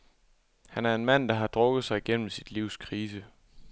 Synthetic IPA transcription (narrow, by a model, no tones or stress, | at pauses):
hænæɐe̝nmæn̰d̥ɑ̈ɦɑ̈d̥ʁɔ̽ɡ̥ð̞̩ˠsɑ̈ɪiɡ̥en̰m̩sid̥liʊ̰skʰʁiːsə